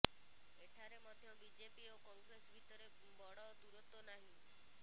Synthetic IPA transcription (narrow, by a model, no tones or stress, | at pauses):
eʈʰaɾemɔd̪ʱjɔbid͡ʒepiokɔŋɡɾesbʱit̪ɔɾe | bɔɽɔd̪uɾɔt̪onaɦĩ